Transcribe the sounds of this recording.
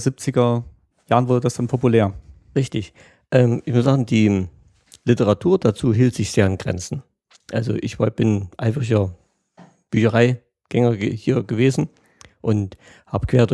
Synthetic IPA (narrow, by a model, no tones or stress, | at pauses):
zip̚t͡sɪɡɐ | jaːʁənvʊɐdədasd̥anpʰopuleːɐ | ʁɪçtɪç | ʔɛːmʔɪçmʊsz̥aːɡŋ̩diː | lɪtəʁatʰuːɐdat͡suːɦiːltz̥ɪçz̥eːɐɪnɡ̥ʁɛ̰nt͡sn̩ | ʔalzo̰ʔɪçv̥ab̥ɪnʔaɪfʁɪçɐ | b̥yːçɐʁaɪ | ɡ̥ɛŋɐəhiːɐɡəveːzn̩ | ʔʊnt | haːbəkv̥eːɐdo